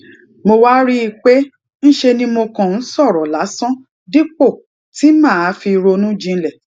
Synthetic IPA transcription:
mo˧wa˦ɾi˦i˧k͡pe˦ | n̩˦ʃe˧nĩ˦mo˧kã˨n̩˦sɔ˦˨ɾɔ˨la˨˦sɔ̃˦ | di˦k͡po˦˨ | ti˨˦mãː˦˨a˨˦fi˧ɾo˧nũ˦d͡ʒĩ˧˦lɛ˦˨

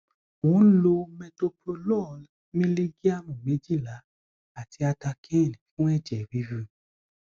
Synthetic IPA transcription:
o˨ũ˨˦lo˧mɛ˧to˧po˧lɔ˦˨ | mĩ˦li˦ɡi˦a˦mũ˨me˨˦d͡ʒi˦˨la˨˦ | a˦˨ti˧˦a˧ta˧kʰɛ̃˦˨nĩ˨˦fũ˦ɛ˦˨d͡ʒɛ˨wi˨˦vi˧

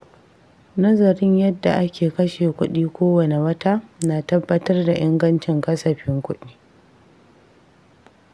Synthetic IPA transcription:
nɐ˦zɐ˨ɾɪ˦ɲjɐ˦dːa̰˨ʔa˦kʲʰeː˨kɐ˦ʃeː˨kʷʊ˦ɗiː˦kʷoː˦wɐ˨ne˨wɐ˦ta˦naː˨tɐ˦bːɐ˦tɐ˦rda˨ʔɪ˦ŋɡɐ˦nt͡ʃɪ˨ŋkɐ˦sɐ˨ɸɪ˦ŋkʷʊ˦ɗiː˦

